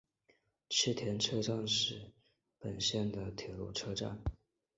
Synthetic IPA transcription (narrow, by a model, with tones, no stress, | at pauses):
t͡ɕʰi˥˩t̪ʰjɛ˧˥nʈ͡ʂʰɤ˥ʈ͡ʂa˥˧nʂɻ̩˥˩ | pə˨˩nɕjɛ˥˩nd̪ə˩t̪ʰjɛ˨˩lṵ˥˩ʈ͡ʂʰɤ˥ʈ͡ʂa̰˥˩n